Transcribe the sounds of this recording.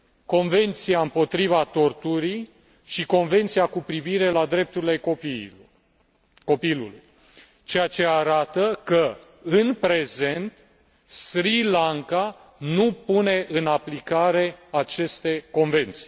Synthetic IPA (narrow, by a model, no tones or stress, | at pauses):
ko̞nve̞nt̪siaɨmpo̞t̪ɾivat̪o̞rt̪uɾij | ʃiko̞nve̞nt̪siakupɾiviɾe̞lad̪ɾe̞p̚t̪uɾile̞oi | ko̞pilṵlṵj | t͡ʃe̞jat͡ʃe̞aɾat̪əkə | ɨnpɾe̞ze̞nt̪ | sɾilaŋka | nupune̞ʔɨnaplikaɾe̞at͡ʃe̞st̪e̞ko̞nve̞nt̪si̥